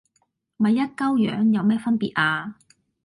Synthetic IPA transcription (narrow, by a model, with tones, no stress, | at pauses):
mɐ˨˧jːɐ˥t̚kɐ˥wjœ̰ː˨˥ŋjɐ˨˧wmɛː˥fɐ˥npiː˨t̚ʔaː˧